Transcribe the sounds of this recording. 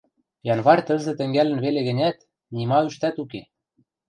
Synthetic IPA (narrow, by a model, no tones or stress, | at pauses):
jɑnβɑrt̪ə̆zɘ̆t̪ɘ̆ŋɡælɘ̆nβeleɣɘ̆nʲæt̪ | nimɑyʃt̪æt̪uke